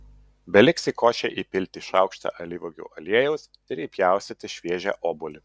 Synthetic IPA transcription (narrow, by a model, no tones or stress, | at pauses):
bʲɛlʲɪksʲikoːʃʲɛʔipʲɪlʲt̪ʲiʃɑʊkʃt̪ɐ̰ʔɐlʲɪʋʊɡʲṵːʔɐlʲiɛjɛʊs | d̪ʲɾʲiːpʲjæˑʊsʲɛt̪ʲɪʃʲʋʲiɛʒʲæ̰ʔoːbʊlʲɪ